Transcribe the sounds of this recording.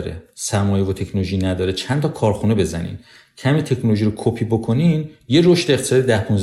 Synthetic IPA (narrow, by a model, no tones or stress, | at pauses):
ɾḛsæɾmɒːjevot̪ʰe̞cʰnoloʒinæd̪ɒːɾet͡ʃʰænt̪ʰɒːkʰɒːɾxune̞be̞zæ̰nḭːn | cʰæmiːt̪ʰe̞cʰnoloʒiːɾokʰopʰiːbokʰo̞niːnje̞ɾoʃt̪eeχt̪ʰe̥sɒːd̪id̪æhpʰunz